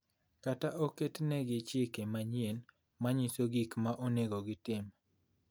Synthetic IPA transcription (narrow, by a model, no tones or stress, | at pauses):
kataʔoketnɛɡɪt͡ʃɪkemaɲien | maɲisoɡikmaʔoneɡoɡɪtɪm